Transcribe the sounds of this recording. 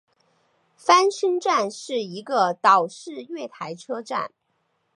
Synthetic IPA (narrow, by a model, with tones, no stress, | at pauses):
fa˥nʂə˥ŋʈ͡ʂa˥˧nʂɻ̩˥˩i˧˥ɡə˧t̪ɑ˨˩ʊʂɻ̩˥˧ɥɛ˥˩t̪ʰa˧˥ɪʈ͡ʂʰɤ˥ʈ͡ʂa̰˥˩n